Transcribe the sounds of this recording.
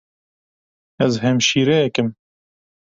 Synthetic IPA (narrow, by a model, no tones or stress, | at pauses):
ɛzhɛmʃiːɾɛjɛkɨm